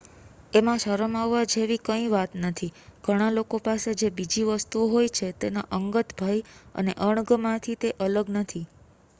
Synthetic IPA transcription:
emãʃəɾəmaʋːad͡ʒeʋikəĩʋat̪nət̪ʰiɡ̥ʱəɽ̃alokopased͡ʒebid͡ʒiʋəst̪uoɦojt͡ʃʰet̪enaʔəŋɡət̪bʱajə̰neʔəɳ̃ɡəmãt̪ʰit̪eʔələɡnət̪ʰi

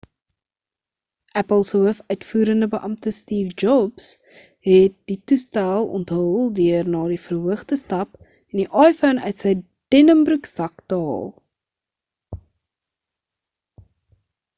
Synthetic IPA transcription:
ʔæpəlˠsəəfœɥtfuːɾəndəbəʔɐmtəstiːfd͡ʒɔbs | ɦɛt̚ditustælˠɔ̰ntɦəlˠdyərnɑːdifərɦuəχdəstɐp | ɛndiʔɑjfənœɥtsɛj | d̥ɛnəmbruksɐktɑːlˠ

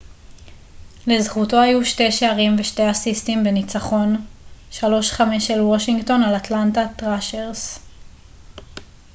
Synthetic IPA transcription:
lezχuto̞ajuʃte̞jʃeaʁimveʃte̞jasistimbe̞nit͡saχo̞nʃalo̞ʃχame̞ʃelwo̞ʃiŋɡto̞nalatlantatʁaʃeʁs

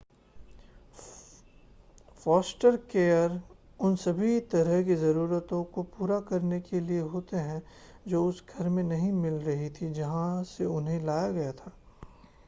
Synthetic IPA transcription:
fɔːsʈəɾkeːəɾ | ʊnsɐbʱit̪ɐɾəɦkizɐɾuːɾət̪õkopuːɾakɐɾnekelieɦoːt̪eɦɛ̃ | d͡ʒoːʊsɡʱɐɾmẽnɐɦĩmɪlɾɐɦit̪ʰid͡ʒɐɦãseʊnɦẽlaːjaɡɐjat̪ʰaː

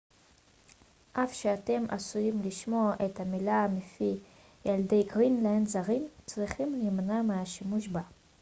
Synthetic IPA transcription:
ʔafʃeate̞mʔa̰sujimliʃmo̞aʔethamilamefi | jalde̞jɡʁinlaenzaʁimt͡sʁiχimlimnameaʃimuʃba

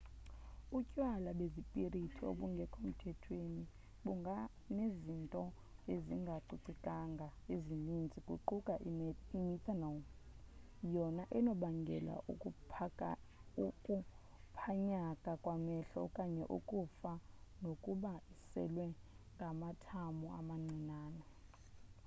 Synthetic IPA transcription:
ucʼwalaɓezipʼiritʰio̰ɓuŋɡʱɛkʼom̩tʰɛtʰweni | ɓuŋɡʱa | nezintʼɔ | eziŋɡʱaǀuǀikʼaŋɡʱaezinind͡zʱikʼṵǃukʼaimitʰanam | jɔnaʔɛnɔɓaŋɡʱɛ̰la̰ʔṵkʼu | ukʼu | pʰaɲakʼakʼwamɛɬɔ̰kʼaɲɛʔṵkʼufanokʼuɓaisɛ̰lwɛ | ŋɡʱamatʰamua̰maŋ͡ǀʱinaːnɔ

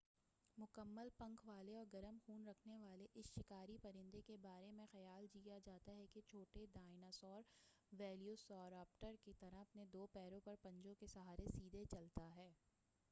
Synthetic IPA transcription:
mʊkəmːəlpɐ̃ŋkʰʋaːleɔːɾɡɐɾəmxuːnɾɐkʰneʋaːleʔɪsʃɪkaːɾipɐɾɪ̃nd̪ekebaːɾemẽxɐjaːld͡ʒiːjad͡ʒaːt̪aɦɛket͡ʃʰoːʈeɖaːɪnasɔːɾ | ʋɛːljusɔːɾaːp̚ʈəɾkit̪ɐɾaɦɐpned̪oːpɛːɾõpɐɾpɐ̃ɲd͡ʒõkesɐɦaːɾesiːd̪ʱet͡ʃɐlt̪aɦɛː

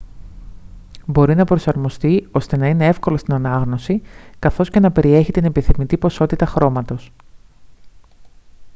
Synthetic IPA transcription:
bo̞ɾinɐpɾo̞sɐɾmo̞st̪io̞st̪e̞nɐine̞e̞fko̞lo̞st̪inɐnɐɣno̞sikɐθo̞sce̞nɐpe̞ɾie̞çit̪inepiθimit̪ipo̞so̞t̪it̪ɐxɾo̞mɐt̪o̞s

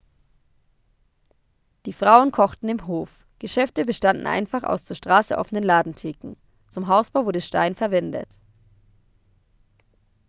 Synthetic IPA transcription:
d̥iːfʁ̥aʊənkʰɔχtn̩ɪmɦoːf | ɡ̥əʃɛftəbəʃtandn̩ʔa̰ɪnfaχa̰ʊst͡suːɐʃtʁ̥aːsəʔɔ̰fənənlaːdn̩tʰeːkŋ̩ | t͡sʊmɦaʊsb̥aʊvʊɐdəʃta̰ɪnfɛɐvɛndə̰t

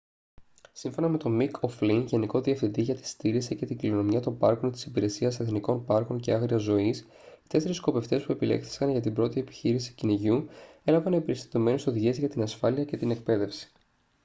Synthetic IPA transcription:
siɱfo̞nɐme̞t̪o̞mikʰo̞flinʝe̞niko̞ðiɐfθind̪iʝɐt̪i̥st̪iɾisice̞t̪iɡliono̞miɐt̪o̞mpɐɾkont̪i̥sipiɾe̞siɐseθniko̞npɐɾko̞nce̞ɐɣɾiɐzo̞is | t̪e̞se̞ɾisko̞pe̞ft̪e̞spue̞pile̞̰kθi̥skɐnʝɐt̪ibɾo̞t̪ie̞pi̥çiɾisi̥ciniʝue̞lɐvɐnpeɾist̪it̪ome̞neso̞ðiʝezʝɐt̪inɐsfɐliɐce̞t̪ine̞k̚pe̞ðe̞fsi̥

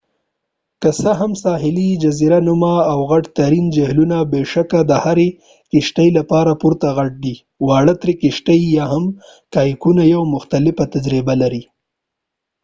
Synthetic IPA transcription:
kəsəɦamsɑɦɪlid͡ʒaziɾanumaːwɣaʈt̪aɾind͡ʒahlunabeʂakad̪əhaɾe | kɪʃʈəjlapɑɾapuɾt̪aɣaʈ̚d̪i | wɑɽət̪ɾekɪʃʈajjɑɦam | kɑjkunajawmʊxt̪alɪfat̪ad͡ʒɾibalaɾi

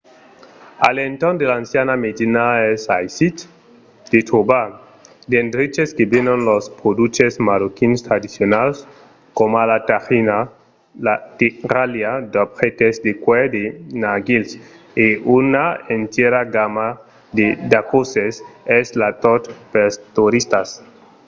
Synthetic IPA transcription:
a̰lent̪oɾnd̪elaːnsjanamed̪inaesajsit̪ | d̪̥et̪ʰoba | d̪end̪ɾit͡ʃeskebenonlospɾod̪ut͡ʃesmaɾokinst̪ɾad̪isjonals | komalat̪axina | lat̪iɾaljad̪apxet̪ezd̪ekwed̪enaɡils | eunaent̪jeɾaɡama | d̪ed̪akoseseslat̪ot̪pest̪uɾist̪as

